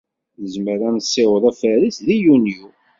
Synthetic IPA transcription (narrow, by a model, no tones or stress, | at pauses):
əzməɾænsːɪwðˤæfəɾisðijunju